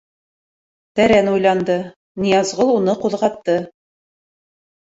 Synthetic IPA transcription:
t̪æɾænujlˠɑnd̪ɤ | nijɑzʁɤlˠunɤquðʁɑt̪ːɤ

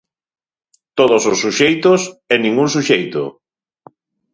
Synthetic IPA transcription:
t̪oðososːuʃejt̪osɛnĩŋɡuŋs̬uʃejt̪ʊ̰

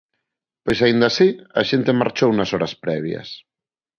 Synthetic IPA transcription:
pojsaĩnd̪asiɐ̰ʃent̪emaɾt͡ʃowunɐsɔɾɐspɾɛβ̞jɐ̰s

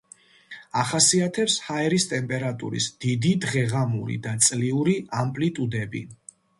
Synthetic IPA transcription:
aχasiat̪ʰɛpshaɛɾist̪ʼɛmpʼɛɾat̪ʼṵɾḭsd̪̥id̪id̪ʁɛʁamṵɾḭd̪at̪sʼliuɾiampʼlit̪ʼud̪ɛbḭ

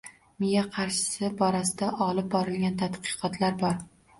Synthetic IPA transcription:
mɪjaqʰɑɾʃɪ̥sɪbɒɾasɪd̪aʔɒlɪp̚bɒɾɪlɡʲant̪ʰat̪qʰɨ̥qʰɒt̪laɾbɒɾ

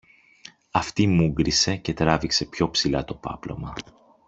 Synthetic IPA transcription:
ɐft̪imuɡɾise̞ce̞t̪ɾɐvikse̞pço̞psilɐt̪o̞pɐ̰plo̞̰mɐ

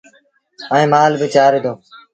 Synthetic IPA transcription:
əːẽːmaːlbɪt͡ʃaːɾɪd̪oː

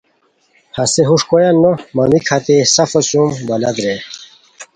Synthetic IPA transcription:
hɐseɦuʂkojɐnːomɐmikʰɐt̪esɐfɐsumbɐlɐd̪ɾe

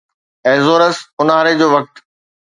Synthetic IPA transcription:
ɛːzoːɾəsʊnaːɾed͡ʑoːʋɐk̚ʈ̪

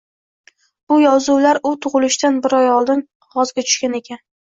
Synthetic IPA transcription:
b̥ʊjɒzuwlaɾʊt̪ʰʊʁɨlɪʃt̪anbɪɾɒjɒlˠd̪ɪn | ʁɒzɡʲat͡ʃ̪ʰʊ̥ʃkʲane̞kʲʰan

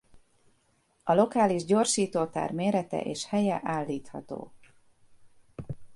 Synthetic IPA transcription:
ɒlo̞kaːliʒɟo̞rʃiːt̪oːt̪a̰ːrmeːɾɛt̪ɛ̰ʔeːʃhɛjɛʔaːlːiːt̪hɒ̰t̪o̰ː

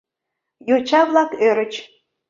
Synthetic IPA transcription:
jot͡ɕɑβlˠɑkøɾət͡ɕ

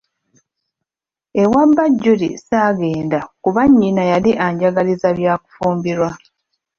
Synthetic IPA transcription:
ewambaɟːulḭsaːɡe̞ːndakuβaɲːinajaliʔaɲɟaɡalizaβjaːku̥fuːmbiɾwa

